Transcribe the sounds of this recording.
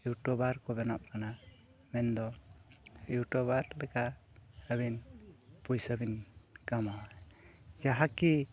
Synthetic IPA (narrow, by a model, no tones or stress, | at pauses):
iwʈɔbaɾkɔbɛnap̚kana | mɛnd̪ɔ | iwʈɔbaɾlɛka | əbinpujsəbinkamaw | d͡ʒaɦaki